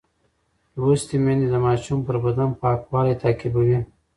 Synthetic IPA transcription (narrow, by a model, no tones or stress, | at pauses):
wust̪imenid̪əmɑʃumpəɾbad̪ampɑːkwɑlat̪ɑkɪbawi